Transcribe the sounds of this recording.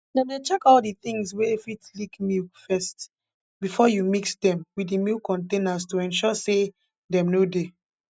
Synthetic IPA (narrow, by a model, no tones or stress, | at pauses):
nãdet͡ʃɛkɔldiθĩŋsweefitlikmifɛst | bifɔjumiksdɛ̃mwidimikɔ̃ntẽnastuɛ̃nʃɔse | dɛ̃mnode